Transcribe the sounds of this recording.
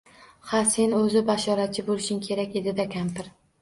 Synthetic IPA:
hase̞nɵzɪbaʃɒɾat͡ʃʰɪbolˠɪʃɪŋkʲʰe̞ɾakʲe̞d̪ɪd̪akʲʰampɪɾ

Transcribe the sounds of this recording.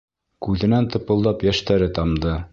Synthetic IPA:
kʉðɘ̆nænt̪ɤ̆pɤ̆lˠd̪ɑpjæʃt̪æɾɘt̪ɑmd̪ɤ

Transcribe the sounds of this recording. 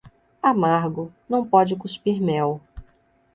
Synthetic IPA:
amaɾɡʊnɐ̃w̃pɔd͡ʒɪkuspiɾmɛw

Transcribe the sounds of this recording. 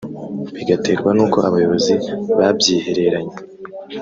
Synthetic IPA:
βiɡate̞ːɾɡwanuːko̞ʔaβajo̞βo̞ziβabjiːhe̞ɾe̞ɾaɲe

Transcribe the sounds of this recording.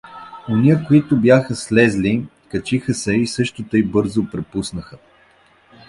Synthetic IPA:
oniəkoit̪ʊbjaxəslɛzli | kɐt͡ʃixəsɛisɤʃt̪ʊt̪əibɤɾzopɾɛpusnəxə

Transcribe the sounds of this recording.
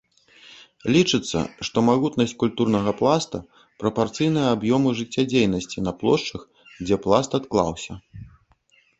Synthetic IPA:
lʲit͡ʂɨt̪sːɐ̰ʂt̪ɔmaɣut̪nɐsʲt͡sʲkulʲt̪urnɐɣɐplˠast̪ɐ̰ | pɾɐpart̪sɨjnɨjɐabjɔmɨʐɨt͡sʲːad͡zʲejnɐsʲt͡sʲinɐplˠɔʂt͡ʂɐx | d͡zʲɛplˠast̪at̪klˠa̰wsʲɐ̰

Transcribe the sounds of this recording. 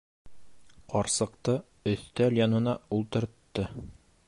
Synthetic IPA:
qɒɾsɤ̆qt̪ɤ | ɵ̆θt̪æljɒnɤ̆nɑulˠt̪ɤ̆ɾt̪ːɤ

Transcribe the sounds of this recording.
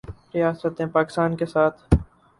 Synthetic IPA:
ɾijaːsət̪ẽpaːkɪ̥st̪aːnkesaːt̪ʰ

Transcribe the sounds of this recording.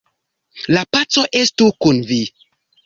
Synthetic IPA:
lapat͡so̞ʔestukunvi

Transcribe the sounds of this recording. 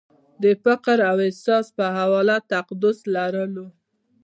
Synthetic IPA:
d̪əfaqɾawɪsɑspəɦawɑlat̪aqd̪ʊslaɾəlo

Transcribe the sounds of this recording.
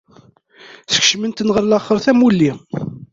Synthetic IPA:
θə̥kʃmənt̪ənʁəɾlæχːəɾθæmulːi

